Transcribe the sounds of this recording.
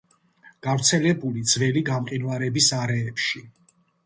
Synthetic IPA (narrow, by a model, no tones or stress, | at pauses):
ɡ̥avɾt̪sʰɛlɛbulid̪zvɛliɡamqʼinvaɾɛbisaɾɛːpʃi